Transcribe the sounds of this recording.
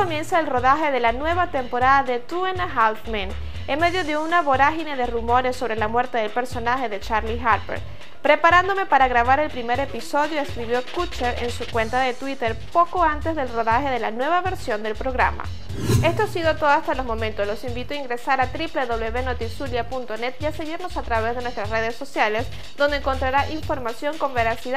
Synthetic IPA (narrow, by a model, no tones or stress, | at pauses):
omjẽ̞nsaelro̞ðaxe̞ðe̞lanwe̞βat̪e̞mpo̞ɾaðaðe̞t̪uenaxalfmẽn | enme̞ðjoðeunaβo̞ɾaxineðe̞rumo̞ɾesːo̞βɾe̞lamwe̞ɾt̪e̞ðe̞lpe̞ɾso̞naxe̞ðe̞t͡ʃaɾlixaɾpḛɾ | pɾe̞paɾand̪o̞me̞paɾaɣɾaβ̞aɾe̞lpɾime̞ɾe̞piso̞ðjoeskɾiβjo̞kut͡ʃeɾḛnsukwe̞nt̪aðe̞t̪wit̪eɾpo̞koant̪e̞zðe̞lroðaxe̞ðe̞lanwe̞β̞aβe̞ɾsjo̞nd̪e̞lpɾo̞ɣɾa̰ma̰ | e̞st̪oasiðot̪oðoast̪alozmõ̞mẽnt̪oslo̞simbit̪oaiŋɡɾesaɾat̪ɾipleðo̞βleβenot̪isuljapunt̪onet̪iase̞ɣiɾno̞sat̪ɾaβezðe̞nwest̪ɾasre̞ðesːo̞sjales | d̪ond̪ẽŋko̞nt̪ɾaɾaʔiɱfo̞ɾmasjo̞ŋko̞mbeɾasið